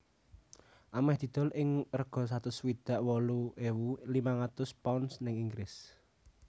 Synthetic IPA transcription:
ʔamɛhd̪̥i̤d̪̥ɔ̤lʔɪŋrəɡ̥ɔ̤s̬at̪ʊswid̪̥a̤ʔwɔluʔewulimaŋat̪ʊspɔnsnɪŋiŋɡlɪs

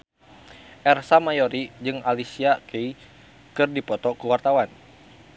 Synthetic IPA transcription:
ʔɛrsamajɔɾid͡ʒɨŋalisiakei | kɨrdipɔt̪ɔkuwart̪awan

